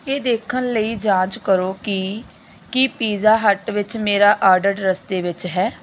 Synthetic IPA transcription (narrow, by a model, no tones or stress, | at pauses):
eːd̪eːkʰənləiːd͡ʒãːt͡ʃkəɾoːki | kipiːzaːɦəʈʋɪt͡ʃmeːɾaːʔaːɾɖəʈɾəst̪eːʋɪt͡ʃɦɛː